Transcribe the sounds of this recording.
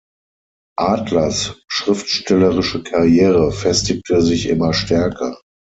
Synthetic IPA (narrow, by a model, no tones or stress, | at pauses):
ʔaːtlɐsʃʁ̥ɪftʃtɛləʁɪʃəkʰaʁjeːʁəfɛstɪk̚tʰəzɪçʔɪ̰mɐʃtʰɛɐkʰɐ